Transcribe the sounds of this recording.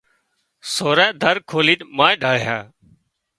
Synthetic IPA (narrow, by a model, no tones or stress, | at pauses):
soːɾɛ̃ːd̪ʱəɾkʰoːliːʈmaːɖʱaːɽjaː